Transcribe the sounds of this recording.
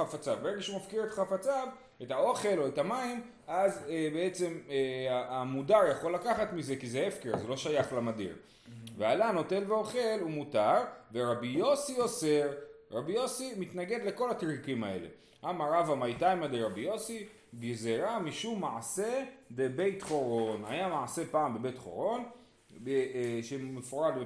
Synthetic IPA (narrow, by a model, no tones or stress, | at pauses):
afat͡savbeʁeɡaʃeumafkiʁet̪χafat͡sav | etao̞χe̞lo̞ethamaim | azebee̞t͡se̞maamudaʁjaχo̞lːakaχatmize̞kizeefkeʁazeloʃajaχlamadḭʁ | vealano̞te̞lveo̞χe̞lumutaʁveʁabijo̞sio̞se̞ʁʁabijo̞simit̪naɡe̞d̪le̞ko̞latʁikimae̞̰le̞̰ | ʔamaʁavamajtajmad̪eʁabijo̞si | ɡizeʁamiʃumːaʕase̞bebe̞jtχo̞ʁo̞na̰jamaʕase̞paʕambe̞be̞jtχo̞̰ʁo̞n | beʃemefoʁad